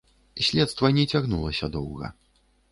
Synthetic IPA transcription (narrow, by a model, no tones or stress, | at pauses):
sʲlʲɛt̪st̪vɐnʲɛt͡sʲaɣnulˠɐsʲɐd̪ɔwɣɐ̰